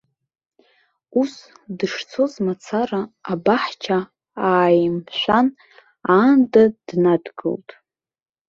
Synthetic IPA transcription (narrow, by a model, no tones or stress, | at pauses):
us | dɨʂt͡sʰo̞zmat͡sʰaraːbaħt͡ʃʰa | aːjmʃʷᶣan | andad̥nadɡɨ̰ltʼ